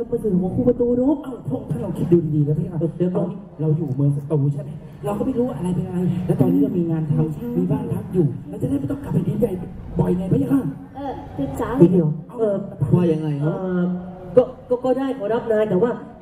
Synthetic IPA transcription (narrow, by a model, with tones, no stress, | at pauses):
ma˧sɯː˨˧˩ɔː˨˦kʰuː˧˩pa˧t̪uː˧ɾu˦˥ʔa˧˩t̪ʰo˧˥˩t̪ʰaː˥˩ɾa˧wkʰi˦t̪̚duː˧diː˧˩diː˧lɛː˧˦˥t̪ʰaː˥˩˧t̪ɤ˨˩dɯ˧əŋʔa˧ni˧˥˩ɾa˧wjuː˨˩mɤː˧ŋsa˧t̪uː˨˩˦t͡ɕʰa˥˩nma˧˩ | ɾa˧wkɔː˥˩ma˧˩jɾuː˦˥˧ʔa˧ɾa˧jpnja˧a˧jlɛ˦˥t̪ɔː˧nʰːiː˦˥˩t͡ɕa˧˩miː˧ŋaː˧nt̪ʰa˧wmiː˧baː˧˩ŋt̪ʰa˦˧˥mjuː˨˩ma˧nt͡ɕa˨˩da˥˩pt̪ɔ˥˩˨ka˨˩p̚ːa˧˩diː˨˧˦nja˧˩j | bɔ˨˩jŋa˧jpʰa˦˥ja˧maː˧˩ | ʔɤː˧˩t̪ɯ˨˧˩t͡ɕa˧˦iː˨˧˩di˧əwa˧˩ʔɤː˧˩˧waː˧˩ja˧˩ŋa˧jʔɤː˧ʔɤː˧kɔː˥˩kɔː˥˩kɔː˥˩daː˥˩jkʰɔː˨˦ɾa˦˥p̚naː˧jt̪ɛː˨˩waː˥˩